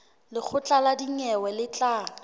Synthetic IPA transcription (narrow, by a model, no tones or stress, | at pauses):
lɪk͡xʰʊt͡ɬʼaladiŋɛwɛlɪt͡ɬʼaː